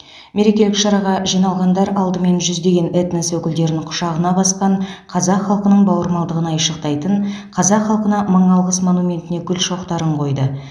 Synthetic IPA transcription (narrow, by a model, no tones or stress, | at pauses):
me̞ɾe̞kʲe̞lɪkʃɑɾɑʁɑʒijnɑlˠʁɑnd̪ɑɾɑlˠd̪əme̞nʒʏzd̪e̞ɡʲe̞net̪nəswɵkʲɪld̪e̞ɾɪnɪɴqʰʊ̥ʃɑʁənɑbɑsqɑɴqʰɑzɑqχɑlˠqənəɴbɑwəɾmɑlˠd̪əʁənɑjʃəq̚t̪ɑjt̪əɴqʰɑzɑqχɑlˠqənɑməɴɑlˠʁəsmo̞numʲe̞nt̪ɪne̞kʲʰʏlʃo̞qt̪ɑɾəɴqʰo̞jd̪ə